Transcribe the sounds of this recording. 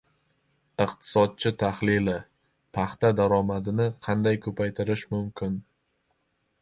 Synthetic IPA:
ɨqt̪ʰɪ̥sɒd̪̚t͡ʃʰɪt̪ʰaχlɪlɪ | pʰɑχt̪ad̪aɾɒmad̪ɪnɪqʰɑnd̪ajkʰɵpʰajt̪ʰɪɾɪʃmʊmkʲʰɪn

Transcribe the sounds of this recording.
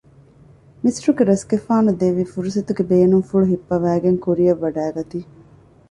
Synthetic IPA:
misɾuɡeɾɐsɡefaːnud̪eʋːifuɾusɐt̪uɡebeːnuŋfuɭuɦipːɐʋæːɡeŋkuɾijɐʋːɐɖæːɡɐt̪iː

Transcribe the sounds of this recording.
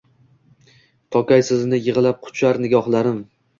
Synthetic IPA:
t̪ʰɒkʲajsɪznɪjɪʁɨlap̚qʰʊ̥t͡ʃʰlaɾnɪɡʲɒχlˠaɾɪm

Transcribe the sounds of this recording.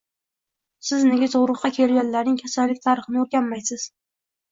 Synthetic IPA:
sɪzneɡʲazʊʁɾɨqːɑkʲʰe̞lɡʲanlaɾnɪŋkʲʰasanlɪk̚ʲt̪ʰaɾɨχɨnɪɵɾɡʲamːajsɪz̥

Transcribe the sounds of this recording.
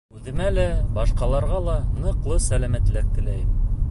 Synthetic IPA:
ʉðɘ̆mælæbɑʃqɑlˠɑɾʁɑlˠɑnɤ̆qlˠɤsælæmæt̪læk̚t̪ɘ̆læjɘm

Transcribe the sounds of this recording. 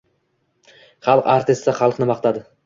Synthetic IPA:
χɑlˠəqaɾt̪ʲɪst̪ːɑχɑlˠəqənəbɑqt̪ɑd̪ə

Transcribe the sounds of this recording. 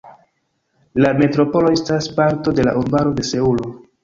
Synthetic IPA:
lame̞tɾo̞po̞lo̞e̞staspaɾto̞de̞la̰ʔuɾbaɾo̞de̞se̞ulo̞

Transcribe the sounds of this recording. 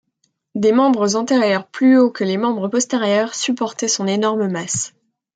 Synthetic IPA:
d̪emɑ̃bʁəzɑ̃t̪eʁjœʁplyokəlemɑ̃bʁəpɔst̪eʁjœʁsypɔʁt̪ɛsɔ̃nenɔʁməmas

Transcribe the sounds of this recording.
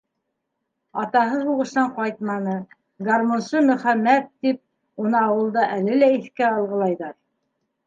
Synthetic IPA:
ɑt̪ɑɦɤuʁɤ̆ʃt̪ɑɴqɑjt̪̚mɑnɤ | ɡɑɾmonsɤmɵ̆χæmːæt̪ːip̚ | unɤɑwɤ̆lˠd̪ɑʔælɘlæiθkæɑlˠʁɤ̆lˠɑjðɑɾ

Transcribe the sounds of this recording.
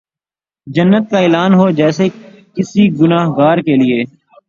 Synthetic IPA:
d͡ʒənːət̪̚kaeːlaːnɦod͡ʒɛːse | kɪsiɡʊnaːɦɡaːɾkelieː

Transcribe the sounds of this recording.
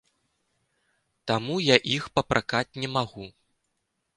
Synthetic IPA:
t̪amujaʔixpɐpɾʔakat͡sʲnʲɛmaɣu

